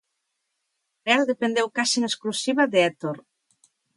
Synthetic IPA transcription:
reald̪epend̪ewkasinesklusiβaðeɛt̪oɾ

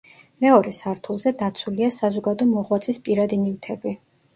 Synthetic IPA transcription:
mɛɔɾɛsaɾt̪ʰulˠzɛd̪at̪sʰuliasazɔɡad̪ɔmɔʁwat̪sʼispʼiɾad̪inivt̪ʰɛbi

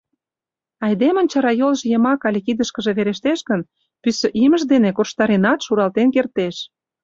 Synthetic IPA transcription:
ɑjd̪emə̆nt͡ɕɑɾɑjolʒjə̆mɑkɑlʲekid̪əʃkə̆ʒe̽βeɾeʃt̪eʃɡən | pysə̆ʔimə̆ʒd̪enekorʃt̪ɑɾenɑt̪ʃuɾɑlt̪enkert̪eʃ

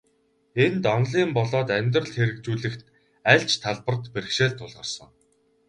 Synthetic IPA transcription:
ent̪ɔnɮiːmpɔɮɔːt̪æmʲt̪rə̆ɮxeɾɘ̆kt͡ɕuːɮɘ̆xt̪ | æɮt͡ɕt̪ʰaɮpə̆rt̪perɘ̆ʃeːɮt̪ʰːʊɮʁə̆rsə̰̆ŋ

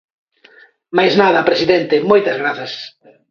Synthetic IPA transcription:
majznaðɐpɾesiðent̪emojt̪ɐzɣɾaθɐs

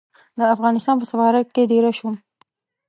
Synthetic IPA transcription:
d̪əafɣɑnɪst̪ɑnp̬əsafɑɾat̪̚ked̪eɾaʃum

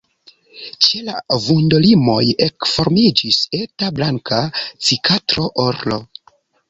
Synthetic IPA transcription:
t͡ʃe̞la̰vundolimo̞je̞kfo̞ɾmid͡ʒise̞tablaŋkat͡sikʰatɾo̞ʔoɾlo̞̰

